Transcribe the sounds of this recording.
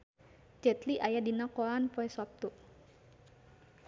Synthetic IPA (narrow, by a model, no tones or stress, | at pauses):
d͡ʒɛt̪liʔajadinakɔlanpoɛsɔt̪u